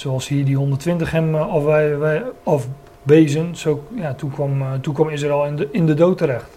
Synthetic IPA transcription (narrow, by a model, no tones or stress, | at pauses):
soɑlˠshiːədiɦɔndərtʋɪntəχɛmɔfʋɛjʋɛɔf | bejzənsojatukɔmtukʋɔmɪsaɛlˠnɪndədowtəɾɛχt